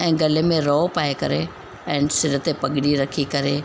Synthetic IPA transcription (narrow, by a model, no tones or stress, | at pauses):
ɛ̃ːɡɐlemẽɾɔːpaːekɐɾe | ɛ̃ːnsɪɾət̪epɐɡʱɪɽiɾɐkʰikɐɾe